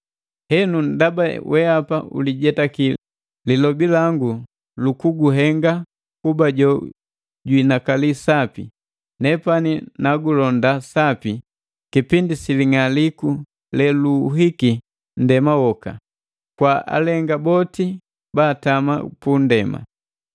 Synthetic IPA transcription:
hɛnundabawʔɛapaṵliɟɛtaki | lilɔbilaŋɡu | lukuɡuɦɛŋɡa | kubaɟɔ | ɟwinakalisapḭ | nɛpaninaɡulɔndasapi | kipindisiliŋaliku | lɛluɦiki | n̩dɛmawɔka̰ | kwaʔa̰lɛŋɡabɔti | baːtama̰pundɛma̰

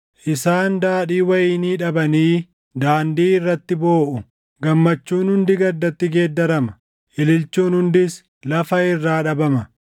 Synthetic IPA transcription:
ʔɪsaːnd̪aːᶑiːwɐjiːniːᶑɐbɐniː | d̪aːnd̪iːɪrːɐt̪ːɪbo̞ːʔʊ | ɡɐmːɐt͡ʃːuːnhʊnd̪ɪɡɐd̪ːɐt̪ːɪɡe̞ːd̪ːɐɾɐmɐ̥ | ʔɪlɪlt͡ʃːuːnhʊnd̪ɪs | lɐfɐɪrːaːᶑɐbɐmɐ

